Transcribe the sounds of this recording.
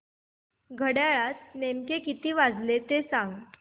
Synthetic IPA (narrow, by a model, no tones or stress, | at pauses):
ɡʱəɽjaɭat̪̚nemkekit̪iːʋad͡zlet̪esãŋɡ